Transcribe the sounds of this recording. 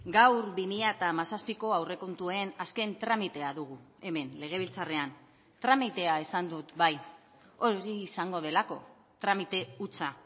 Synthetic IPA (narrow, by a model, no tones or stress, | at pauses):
ɡawɾbimiʎat̪amasaspiko̞awre̞ko̞nt̪ue̞naske̞nt̪ɾamit̪e̞aðuɣ̞ue̞me̞nle̞ɣ̞e̞β̞ilt͡sare̞an | t̪ɾamit̪e̞ae̞sand̪ut̪baj | o̞ɾiːsaŋɡo̞ðe̞lako̞ | t̪ɾamit̪e̞ut͡sa